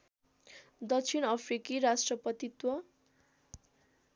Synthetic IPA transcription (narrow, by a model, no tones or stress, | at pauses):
d̪ʌkt͡sʰinʌpʰrikiɾasʈrʌpʌt̪it̪wʌ